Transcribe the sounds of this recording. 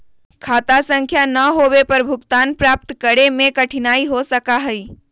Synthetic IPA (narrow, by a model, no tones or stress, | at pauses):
kʰaːt̪asə̃ŋkʰjanɐɦoːwepɐɾbʱʊɡt̪aːnpɾaːp̚t̪kəɾemẽkɐʈʰɪnaːiɦosəkaɦɛiː